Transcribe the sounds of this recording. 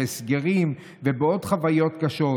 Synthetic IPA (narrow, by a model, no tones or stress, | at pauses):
esɡeʁim | vebeo̞d̪χavajo̞tkaʃo̞